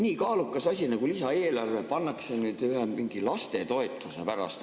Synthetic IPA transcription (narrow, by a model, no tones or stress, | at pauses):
niːkɑːlukːˑɑsɑsʲinɑɡ̥ulisɑe̞ːlɑrvepɑnːɑksenyːd̪yɦemiŋɡ̥ilɑst̪e̞t̪o̞et̪ːˑusḛpæɾɑ̰st̪